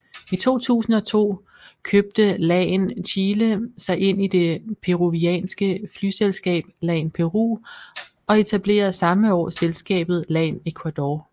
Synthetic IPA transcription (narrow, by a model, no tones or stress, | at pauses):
it͡sʰo̝̰ːt͡sʰṵːsn̩ɒ̽t͡sʰo̝̰ː | kʰøb̥̚d̥əlɛːnɕʰiːləsɑ̈ɪʔe̝n̰id̥e̝pʰe̝ʁuʋiɛ̰ːnsɡ̥əfly̰ːselsɡ̥ɛ̰ːb̥̚lɛːnpʰe̝ʁṵː | ɒ̽e̝t͡sʰæb̥le̝̰ːɐð̩ˠsɑ̈məɒ̰ːselsɡ̥ɛ̰ːb̥ð̞̩ˠlɛ̰ːne̝kʰwæd̥ɒː